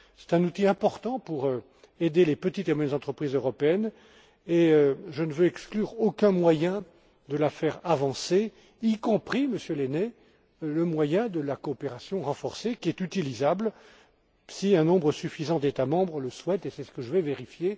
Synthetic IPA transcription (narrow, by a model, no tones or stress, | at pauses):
sɛ̥t̪ɛ̃nut̪iɛ̃pɔʁt̪ɑ̃puʁø | ed̪elepət̪it̪emwajɛnzɑ̃t̪χəpχizøʁɔpeɛn | eøʒənəvøɛksklyʁokɛ̃mwajɛ̃ | d̪əlafɛʁavɑ̃se | ikɔ̃pχiməsjølenɛ | ləmwajɛ̃d̪əlakoːpeʁasjɔ̃ʁɑ̃fɔʁsekʲiɛt̪yt̪ilizabl | siɛ̃nɔ̃bʁəsyfizɑ̃d̪et̪amɑ̃bʁələswɛt̪esɛsə̥kəʒəvɛveʁifje